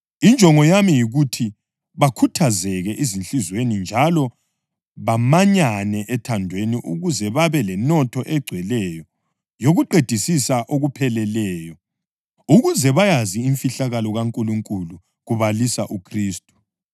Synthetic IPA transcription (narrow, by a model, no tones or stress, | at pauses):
ind͡ʒʼʱɔŋɔjamijiɣutʰi | βakʰutʰazɛɣɛʔizint͡ɬizwenind͡ʒʱalɔ | βamaɲanɛʔɛtʰandʱweniʔuɣuzɛβaβɛlɛnɔtʰɔʔɛɡ͡ǀʱwɛlɛjɔ | joɣuǃed̥ʱisisaʔoɣupʰɛlɛlɛːjɔ | uɣuzɛβajaziːɱfiɬaɣalɔɣaŋkʼuluŋkʼulu | ɣuβalisaʔukʰriːstʼu̥